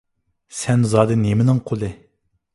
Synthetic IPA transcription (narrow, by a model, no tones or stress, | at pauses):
sɛnzɑːd̪ɨnemɪnɪŋqʰolˠɨ